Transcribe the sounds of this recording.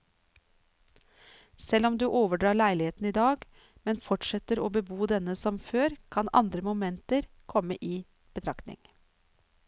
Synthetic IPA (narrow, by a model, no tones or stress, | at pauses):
sɛlɔmd̪ʉːʔoːʋəɖɾɑːɭæɪlɪheːt̪n̩iːd̪ɑːɡ | mɛnfɔʈʂɛt̪əɾoːbəbuːd̪ɛnəsɔmføːɾkʰɑnʔɑ̰nd̪ɾəmʊmɛnt̪əɾ | kʰɔməʔiː | b̥ət̪ʰɾɑkt̪nɪ̰ŋ